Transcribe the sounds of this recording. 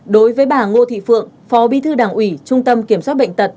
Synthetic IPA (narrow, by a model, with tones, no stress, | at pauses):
ɗo˨˦jvəː˨˦jɓaː˧˩ŋo˧t̪ʰḭ˧˨fɨ̰˧˨əŋ | fɔ˨˦ɓi˧t̪ʰɨ˧ɗaː˨˩ŋʔwi˧˩t͡ɕʊ˧ŋ͡mt̪ə˧mki˧˩əmswaː˦˥t̚ɓə̰˧˨jŋ̟t̪ə˨˩t̚